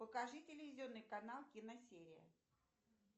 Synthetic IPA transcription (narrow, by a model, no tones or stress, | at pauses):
pəkɐʐɨtʲɪlʲɪvʲɪzʲɪo̞nːɨjkɐnalˠkʲɪnɐsʲeɾʲɪə̰